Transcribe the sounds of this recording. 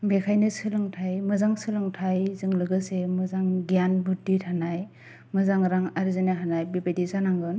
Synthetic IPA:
bekʰajnɯsɯlɯŋtʰajmɯzaŋsɯlɯŋtʰajzɯŋlɯɡɯsemɯzaŋɡijanbudithanaj | mɯzaŋɾaŋaɾzɯnɯɦanajbepedizanaŋɡɯn

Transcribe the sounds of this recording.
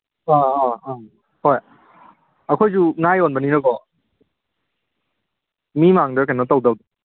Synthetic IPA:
aaa | hɔj | akʰɔjzuŋajɔnbaninakɔ | mimaŋdɯkʰanɔt̪ɔwdawd

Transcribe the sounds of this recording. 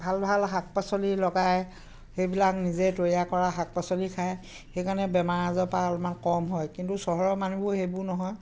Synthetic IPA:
bʱalbʱalɦak̚pasɔlilɔɡaj | xejbilak̚nizetojjakɔɹaɦak̚pasɔlikʰaj | xejkaɹnɛbɛmaɹazɔpaɔlumankɔmɦɔjkintusɔɦɔɹɔmanubʊɦejbʊnɔɦɔj

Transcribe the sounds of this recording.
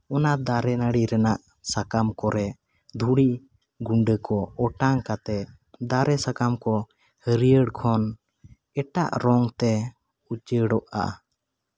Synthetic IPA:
ɔnad̪aɾɛnaɽiɾɛnaʔ | sakamkɔɾɛ | d̪ʱuɽi | ɡuɳɖəkɔɔʈaŋkat̪ɛ | d̪aɾɛsakamkɔ | həɾijəɽkʰɔn | ɛʈaʔɾɔŋt̪ɛ | ut͡ʃəɽɔʔa̰

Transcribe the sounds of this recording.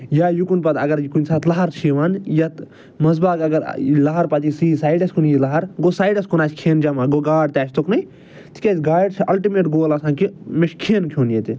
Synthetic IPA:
jajukunpɐt̪ɐɡɐɾjikunʲsaːt̪lɐɦɐɾt͡ʃʰiʋaːnjat̪ | mɐzbaːkɐɡɐɾ̰lɐɦɐɾpɐt̪isiːsaːjɖɐskʰunjilɐɦɐɾɡosaːjɖɐskʰunaːt͡ʃʰʲkʰeːnd͡ʒɐmaɡoɡaːɖt̪ʲaːt͡ʃʰt̪oknɐj | t̪ʰi̥kʲeːsɡaːɖsʰʔɐlʈimeːʈɡoːlɐsãːkimeʃkʰeːnkʰuːnjet̪i

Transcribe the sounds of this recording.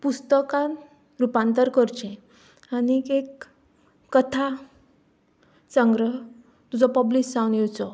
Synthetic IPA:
pust̪əkãn | ɾupãnt̪əɾkəɾt͡ɕẽ | anikekː | ət̪ʰa | t͡səŋɡɾəɦ | t̪ud͡zɔpəblisawniwt͡sɔ

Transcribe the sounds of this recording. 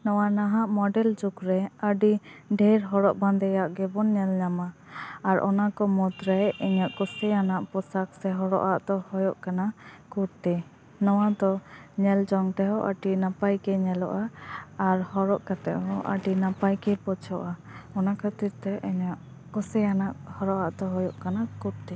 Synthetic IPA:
nɔwanaɦaʔmɔɖɛld͡ʒukɾɛəɖiɖʱɛɾɦɔɽɔʔband̪ɛjaʔɡɛbɔnɲɛlɲamaːɾʔɔnakɔmɔt̪ɾajɛɲɔʔkɔsɛjanaʔpɔsaksɛɦɔɽɔ̰ʔaʔd̪ɔhɔjɔʔkanakuɾt̪ɛ | nɔwad̪ɔɲɛld͡ʒɔŋt̪ɛɦɔʔəʈinapajkɛɲɛlɔ̰ʔaː | ɾhɔɾɔʔkat̪ɛʔɦɔʔə̰ɖinapajkɛpɔt͡ʃʰɔʔaɔnakʰət̪iɾt̪ɛʔɛɲaʔ | kɔsɛjanaʔhɔɾɔʔaʔd̪ɔɦɔjɔʔkanakuʈ̚t̪ɛ

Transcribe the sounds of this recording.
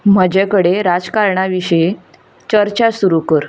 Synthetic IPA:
m̤əd͡ʑakəɽeɾad͡zkaɾɳaʋiɕe | t͡ɕəɾt͡ɕasuɾukəɾ

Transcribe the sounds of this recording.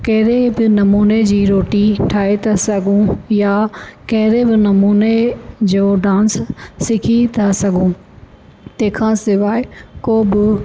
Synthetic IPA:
kɐɦɪɾebɪnɐmuːned͡ʑiːɾoːʈiʈʰaːet̪ʰasɐɡʱũjakɐɦɪɾebɪnɐmuːned͡ʑoːɖãːnsːɪkʰit̪ʰasɐɡʱũ | t̪ɐ̃kʰãːsɪʋaːɪkoːbɪ

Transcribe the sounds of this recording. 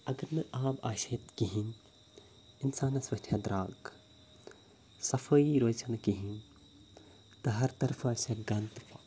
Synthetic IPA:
ɐɡɐɾmɐʔaːbaːʃɐjt̪kiɦin | insaːnɐsʋɐʃʈʰjad̪ɾaːɡ | sɐfɐiɾoːt͡ʃɐnkiɦin | t̪ɐɦɐɾt̪ɐɾfʰɐsɐɡɐnt̪pa

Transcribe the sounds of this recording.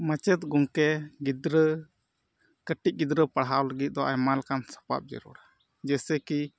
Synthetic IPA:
mət͡ʃɛt̪̚ɡɔŋkɛɡid̪ɾə | kəʈic̚ˀɡid̪ɾəpaɽɦawləɡit̪̚d̪ɔʔajmalkansḁpa̰p̚d͡ʒɛ̰ɾɔ̰ɽa | d͡ʒɛsɛki

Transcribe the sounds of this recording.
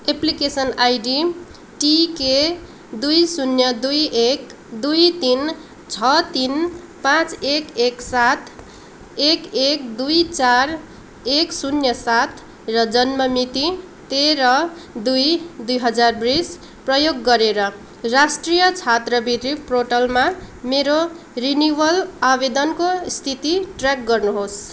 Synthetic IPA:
eplikesʌnajɖi | ʈike | d̪ujsunjʌd̪ujek | d̪ujt̪in | t͡sʰʌt̪in | pãt͡sekeksat̪ʰ | ekekd̪ujt͡sar | eksunjʌsat̪ʰ | rʌd͡zʌnmʌmit̪i | t̪eɾʌd̪ujd̪ujɦʌd͡zarbris | prʌjoɡːʌɾeɾʌ | rasʈrijʌt͡sʰat̪rʌbid̪riproʈʌlmameɾo | rinubʌlabed̪ʌnkost̪ʰit̪iʈrak̚ɡʌrnuɦos

